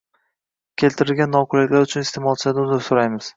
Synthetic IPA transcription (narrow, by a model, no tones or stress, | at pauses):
kʲʰe̞lt̪ʰɪɾɪlɡʲanːɒqʰʊlɪkʲlaɾʊt͡ʃʰʊnɪst̪ʰemɒlˠt͡ʃʰɪad̪ʊnɪɾsoɾajmɪz̥